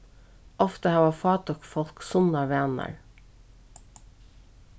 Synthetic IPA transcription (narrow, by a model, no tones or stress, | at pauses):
ɔft̪əhɑːʋafɑːt̪ɔkfɔl̥ksʊnɑʋæːnɑ̰ɹ